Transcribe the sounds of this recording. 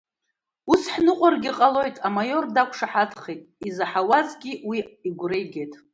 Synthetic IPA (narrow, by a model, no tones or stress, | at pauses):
usħnɨqʷʼarɡʲiqʼalo̞jtʼamajo̞rdakʷʰʂaħadʰχejtʼizaħawazɡʲiwiiɡʷrejɡʲe̞jtʼ